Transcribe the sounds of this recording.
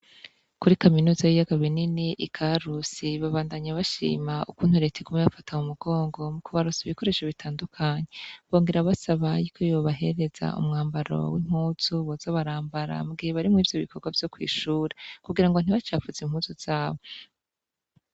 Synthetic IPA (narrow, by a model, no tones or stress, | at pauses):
kuɾikaminuːzajijaɡaβwininiʔikʰaɾusiβaβaːndaɲaβaʃḭːmaukuːn̥huɾe̞tʰekumeβafatʰaumuɡ̥o̞ːŋɡo̞mukuβaɾusiβiko̞ɾe̞ʃaβitʰaːndukʰaɲe̞βo̞ːŋɡeɾaβasaβajikʰojoβaɦe̞̰ɾe̞z̥a̰ṵmŋaːmbaɾo̰wim̥huːz̥uβoz̥aβaɾaːmbaɾa̰mɡeβaɾimŋiːvjo̞βikʰo̞ɾɡwavjo̞kwḭːʃuːɾekuɡiɾaŋɡo̞n̥iβat͡ʃaːfuzimhuːzuz̥aːβo̞